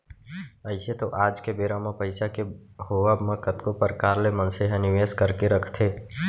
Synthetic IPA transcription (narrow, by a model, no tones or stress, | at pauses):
əɪset̪oʔaːd͡ʒkebeːɾãmẽpəɪsakehoːʋamə̃kət̪kopəɾkaːɾlemə̃nseɦɛ̃nɪʋeːskəɾkeɾəkʰt̪ʰeː